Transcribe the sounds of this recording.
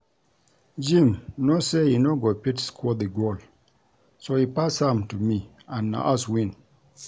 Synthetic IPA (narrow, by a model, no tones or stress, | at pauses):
d͡ʒĩmnosehinoɡopitskʰɔdiɡol | sohipashãmtumi | ãnːa̰ʔaswĩn